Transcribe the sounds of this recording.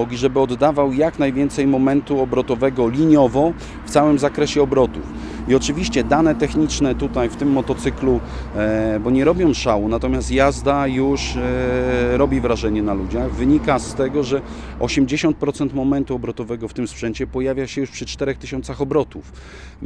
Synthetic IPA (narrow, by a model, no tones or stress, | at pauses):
ɔɡʲiʐɛbɘɔd̪ːavawjaknajvʲjɛnt̪sɛjmɔmɛnt̪uɔbɾɔt̪ɔvɛɡɔlʲiɲɔvɔ | ft̪sawɘmzakɾɛɕɛɔbɾɔt̪uf | iɔt͡ʂɘvʲiɕt͡ɕɛd̪anɛt̪ɛxɲit͡ʂnɛt̪ut̪ajft̪ɘmːɔt̪ɔt̪sɘklu | bɔɲɛɾɔbʲjɔ̃w̃ʂawunat̪ɔmʲjast̪jazd̪ajuʂ | ɾɔbʲivɾaʐɛɲɛnalud͡ʑaɣvɘɲikast̪ɛɡɔʐɛɔɕɛmd͡ʑeɕɔnt̪̚pɾɔt̪sɛnt̪mɔmɛnt̪uɔbɾɔt̪ɔvɛɡɔft̪ɘmspʂɛɲt͡ɕɛpɔjavʲjaɕɛjuʂpʂɘt͡ʂt̪ɛɾɛxt̪ɘɕɔ̃nt̪saxɔbɾɔt̪uf